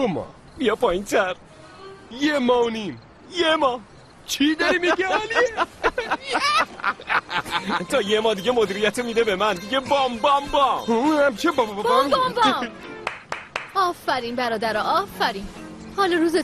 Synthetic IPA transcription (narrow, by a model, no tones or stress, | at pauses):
omɒ̰ | bijɒpʰɒːjint̪ʰæɾ | jemɒːnim | jemɒː | t͡ʃʰid̪ɔɾimiɡɛli | t̪ʰɒːjemɒːd̪iɟemod̪iɾijæt̪ʰemiːd̪ebemænd̪iɟebɒmbɒmbɒmuhæmt͡ʃʰebɔmbbbɔmbm | ɒːfæɾiːnbæɾɒːd̪æɾɒʔɒːfæɾiːnhɒːlɔɾuːze